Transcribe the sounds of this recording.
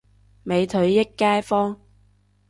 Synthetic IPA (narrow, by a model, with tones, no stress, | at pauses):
me˨˧jt̪ʰɵ˨˧ɥjɪ˥kːaː˥jfɔː˥ŋ